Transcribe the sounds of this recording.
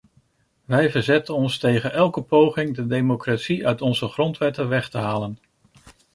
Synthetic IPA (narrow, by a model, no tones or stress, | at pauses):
ʋɛjvəɹzɛtənɔnstejχənʔɛlˠkəpowχɪŋdədejmokratsiœɥtɔnzəχrɔntʋɛtəʋɛχtəɦaːlən